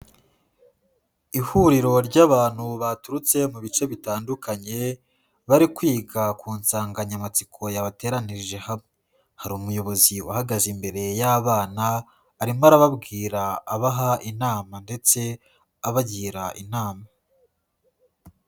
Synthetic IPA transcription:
ihuɾiɾo̞ɾɟaːβaːn̥huβatuɾut͡se̞muβit͡ʃe̞βitaːndukʰaɲe̞ | βaɾikwiːɡakuːnsaːŋɡaɲamat͡sikʰo̞jaβate̞ːɾaniʒe̞hamŋe̞ | haɾuːmujo̞βo̞ziahaɡazimbe̞ɾe̞jaβaːnaː | ɾimaɾaβabɡiːɾaːβaɦaʔinaːmande̞t͡se̞ | aβaɟiːɾaʔinaːma

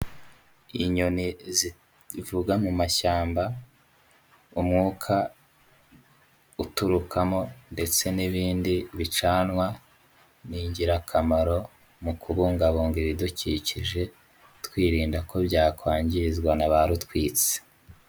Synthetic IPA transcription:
iɲonizi | vuɡamumaʃaːmba | umŋuːkʰa | utuɾukʰamo̞nde̞t͡se̞niβiːndiβit͡ʃaːnŋwa | niːɲɟiɾakʰamaɾo̞ | mukʰuβuŋɡaβoːŋɡiβiduciciʒe̞ | tkwiːɾiːndakʰo̞bɟaːkwaːɲɟizɡwanaβaɾutkwiːt͡se̥

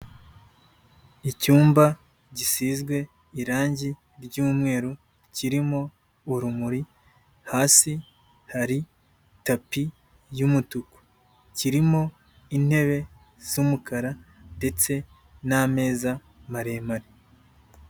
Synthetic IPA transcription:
icuːmba | ɟisizɡwe̞ | iɾaːɲɟi | ɾɟuːmŋe̞ːɾo | ciɾimo̞ː | ɾumuɾi | haːsi | haɾi | tapi | jumutuku̥ | ciɾimo̞ | in̥he̞βe̞ | z̥umukaɾande̞t͡se̞ | name̞ːza | maɾe̞ːmaɾi

